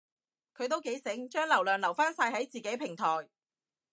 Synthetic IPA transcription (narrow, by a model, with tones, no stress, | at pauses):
kʰɵ˨˧ɥt̪o˥wke˨˥jsɪ˨˥ŋt͡ʃœː˥ŋlɐ˨˩wlœː˨˩ŋlɐ˨˩wfaː˥nsaː˧jhɐ˨˥jt͡siː˨ke˨˥jpʰɪ˨˩ŋt̪ʰɔː˨˩j